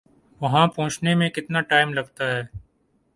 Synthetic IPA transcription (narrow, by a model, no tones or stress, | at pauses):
ʋɐɦãpɔ̃ːt͡ʃnemẽkɪt̪naʈaːɪmlɐɡt̪aɦɛː